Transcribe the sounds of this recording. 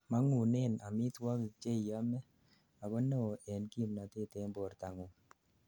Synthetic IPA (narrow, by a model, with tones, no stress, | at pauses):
ma˦ŋu˨ne˦˨na̰˨mi˦twa˦ki˨t͡ʃe˦˨ja˦mɛ˦ | a˨bɔ˦no˦˨ɛ˨nki˦˨mna˨te˦˨te˨˦mbo˨ɾta˨ŋu˨